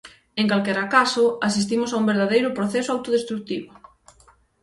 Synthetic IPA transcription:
eŋkalkɛɾakasʊasis̬t̪imʊsaumbeɾðaðejɾʊpɾoθɛsʊawt̪oðest̪ɾuk̚t̪iβʊ

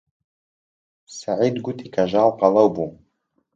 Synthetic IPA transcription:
saʕiːd̪ɡut̪iːkʰɐʒɑːlˠqɑlɐwbu

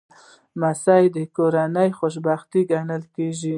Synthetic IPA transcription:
masɑjd̪əkoɾanəjxoʃ̬bɑxt̪iɡanəlkeʒi

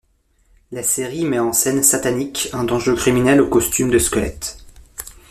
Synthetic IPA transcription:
laseʁimɛɑ̃sɛnsat̪anikɛ̃d̪ɑ̃ʒøkχiminɛlokɔst̪ymd̪əskɔlɛ̰t̪

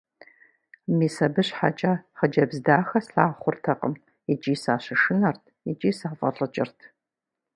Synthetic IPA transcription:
miːsɐbɨɕħa̰t͡ʃʼaχəd͡ʒɐbzdaːxɐsɬaːχʷʊrtʰɐqʼəm | ɛt͡ʃʼiːsaːɕɪʂɨnɐrtʰit͡ʃʼiːsaːfʼɐɬʼɨt͡ʃʼɪrtʰ

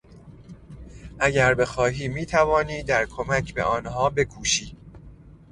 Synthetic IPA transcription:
ʔæɟæɾbe̞xɒːɦiːmiːt̪ʰævɒːniːd̪æɾkʰomæcʰbe̞̰ʔɒːnɦhɒːbe̞kʰuːʃiː

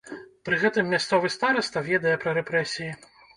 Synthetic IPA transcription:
pɾɨɣɛt̪ɨmːʲast̪sɔvɨst̪aɾɐst̪ɐvʲɛd̪ɐjɛpɾɐɾɛpɾɛsʲiji

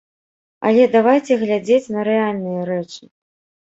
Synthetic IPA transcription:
ɐ̰lʲɛd̪avajt͡sʲɛɣlʲad͡zʲet͡sʲnɐɾɛalʲnɨjɐɾɛt͡ʂɨ̥

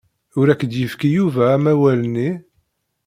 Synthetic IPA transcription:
ʊɾækːəd̪jəfkijuvæːmæwæləni

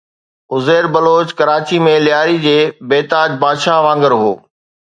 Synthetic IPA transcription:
ʊzeːɾbɐloːt͡ɕkɐɾaːt͡ɕimẽlɪjaːɾid͡ʑeːbeːt̪aːd͡ʑbaːd̪ʃaʋãːŋɡəɾɦo̰ː

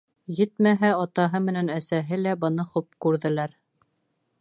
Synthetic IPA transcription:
jɘt̪mæɦæɑt̪ɑɦɤmɘ̆nænæsæɦɘlæbɤ̆nɤχup̚kʉɾðɘ̆læɾ

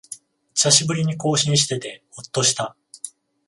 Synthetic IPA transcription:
ɕaɕibɯ̟ɾʲiɲ̟iko̞ːɕĩɰ̃ɕ̬i̥t̪e̞t̪e̞hot̪ːo̞ɕi̥t̪a

